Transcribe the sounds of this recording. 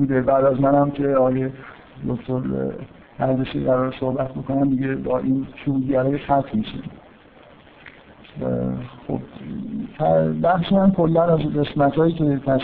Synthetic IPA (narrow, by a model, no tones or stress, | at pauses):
uːd̪ebæd̪æzmænhæmkʰeɒːɒːje | d̪okt̪ʰoɾ | æɾzeʃiʁæɾɒːɾesohbæt̪ʰboko̞næmd̪iɟe̞bɒːʔiːnt̪ʰuːd̪ɟæɾɒːjeʃxæt̪ʰmiʃḭm | xo̰b̥t̪ʰæbæxʃiæmkʰo̞lːænæzɢe̞smæt̪ʰhɒːjiːcʰet̪ʰæʃ